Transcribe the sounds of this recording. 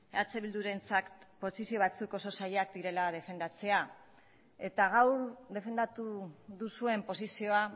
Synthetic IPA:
at͡seβild̪uɾe̞nt͡sakpo̞sisio̞β̞at͡suko̞so̞saʎeakd̪iɾe̞lað̞e̞fe̞nd̪at͡se̞a | e̞t̪aɣawɾðe̞fe̞nd̪at̪uðusue̞mpo̞sisio̞a

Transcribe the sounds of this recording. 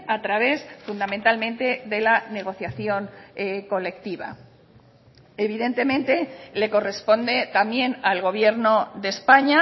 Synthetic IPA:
at̪ɾaβ̞e̞sfund̪ament̪almẽ̞nt̪e̞ðe̞lane̞ɣ̞o̞θjaθjo̞ŋko̞le̞kt̪iβ̞a̰ | eβiðe̞nt̪e̞mẽ̞nt̪e̞le̞ko̞re̞spo̞nd̪e̞t̪amje̞nalɣ̞o̞β̞je̞ɾno̞ðe̞spaɲa

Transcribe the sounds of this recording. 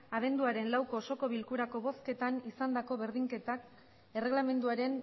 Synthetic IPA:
aβ̞e̞nd̪uaɾe̞nlawko̞ːso̞ko̞βilkuɾako̞βo̞ske̞t̪anisand̪ako̞βe̞ɾðiŋke̞t̪ak | e̞re̞ɣlame̞nd̪uaɾe̞n

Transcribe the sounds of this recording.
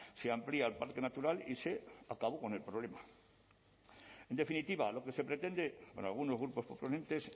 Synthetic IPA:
seampliaːlpaɾkenat̪uɾalḭse̞akaβo̞ko̞ne̞lpɾo̞β̞le̞ma | e̞nd̪e̞finit̪iβalo̞ke̞se̞pɾe̞t̪e̞nd̪e̞onalɣ̞uno̞zɣɾupo̞spoponẽ̞nt̪e̞s

